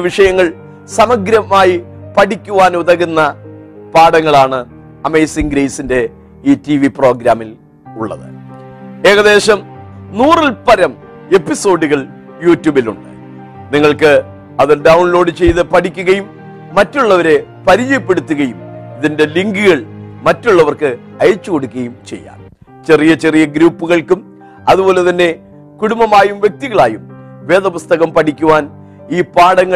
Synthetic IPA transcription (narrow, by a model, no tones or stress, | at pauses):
ʋiʂɐjɐŋːɐɭ | sɐmɐɡɾɐmaːjipɐʈʰikʲːuʋaːnuðɐɣunːɐ | paːɽɐŋːɐɭaːɳɨ | ɐmejsiŋɡɾejsinde̞ | iːtiʋipro̞ːɡɾaːmil | uɭːɐ̰ðɨ̰ | e̞ːɣɐðe̞ːɕɐmnuːrilpɐɾɐm | e̞pːiso̞ːɖuɣɐɭ | juːtːuːbiluɳɖɨ̥ | niŋːɐɭkɨ | ɐðirɖɐwunlo̞ːɽɨt͡ɕe̞jt̪ɨpɐʈʰikʲːuɣɐjumː | ɐtːuɭːɐʋɐɾe̞ | pɐɾijepːe̞ɽut̪ːuɣɐjumiðinde̞liŋɡɨɣɐɭmɐtːuɭːɐʋɐrkɨ | ɐjt͡ɕːuko̞ɽukʲːɐjumt͡ɕe̞̰jːa̰ːm | t͡ɕe̞rijɐt͡ɕe̞rijɐɡɾuːpːuɣɐɭkum | ɐðubo̞ːle̞t̪ɐnːe̞ | kuɽumbɐmaːjumʋje̞k̚t̪iɣɐɭaːjum | ʋe̞ːðɐpust̪ɐɣɐmpɐʈʰikʲːuʋaːn | iːpaːɽɐŋːɐɭ